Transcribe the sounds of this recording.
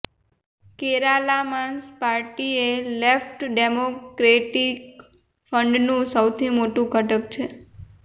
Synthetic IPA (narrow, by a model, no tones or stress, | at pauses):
keɾalamanspaɾʈielefʈɖemokɾeʈik | fəɳɖnũsəwt̪ʰimoʈũkəʈək̚t͡ʃʰe